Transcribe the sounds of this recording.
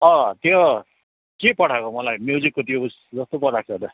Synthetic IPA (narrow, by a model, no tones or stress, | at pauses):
ʌ̃t̪jo | kepʌɽ̤ʰakomʌlajmjud͡zikːot̪ʰijous | d͡zʌst̪opʌɽʰak̚t͡sʰʌt̪ʌ